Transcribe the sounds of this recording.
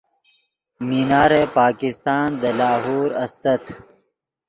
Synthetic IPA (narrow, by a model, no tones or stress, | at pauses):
minaːɾepaːkɪst̪ɑːnd̪əlaːɦuːɾɐst̪ɐt̪ʰ